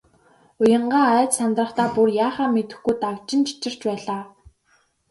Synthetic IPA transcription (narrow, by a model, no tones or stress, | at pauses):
ʊjə̆ɴɢaːæːt̪sant̪rə̆χt̪ʰaːpurjaːχaːmet̪ɘ̆xɡujt̪akt͡ɕɪ̆nt͡ɕʰi̥t͡ɕɪ̆r̥t͡ɕpæːɮaː